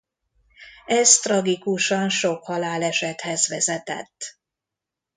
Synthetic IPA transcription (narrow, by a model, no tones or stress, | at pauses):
ɛzt̪rɒɡikuʃɒnʃo̞khɒlaːlɛʃɛt̪hɛzʋɛzɛt̪ɛ̰t̪ː